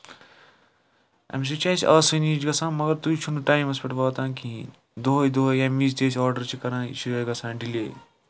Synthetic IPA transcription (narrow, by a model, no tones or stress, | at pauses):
ɐ̰ms̬it͡ʃaːsiʔaːsɐniːd͡ʒɡɐsãːmɐɡɐɾt̪uit͡ʃʰunuʈaːimɐspʲeʈʋaːt̪ãːkĩ | d̪oːjd̪oɦjɐːmiːzt̪eːsaːɾɖɐɾt͡ʃʰikɐɾãːḭt͡ʃujɐːɡɐsãːɖilḛː